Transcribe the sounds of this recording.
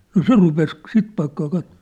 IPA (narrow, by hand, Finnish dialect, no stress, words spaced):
no se rupes sit pɑikːɑː kɑtːo̥